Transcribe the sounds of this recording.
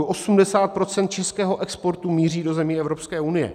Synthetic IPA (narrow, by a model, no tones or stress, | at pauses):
ʔosumdɛsaːt̪̚pɾo̞t͡sɛnt̪̚t͡ʃɛskɛːɦo̞ʔɛkspo̞ɾt̪umiːriːdo̞zɛmiːɛvɾo̞pskɛːunɪjɛ̰